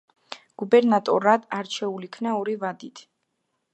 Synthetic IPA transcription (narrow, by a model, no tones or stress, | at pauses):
ɡ̥ubɛɾnat̪ʼɔɾad̪̥aɾt͡ʃʰɛulikʰnaɔɾivad̪it̪ʰ